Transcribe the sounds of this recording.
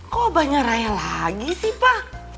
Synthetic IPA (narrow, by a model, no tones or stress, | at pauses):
kobaɲarajalaɡisihpah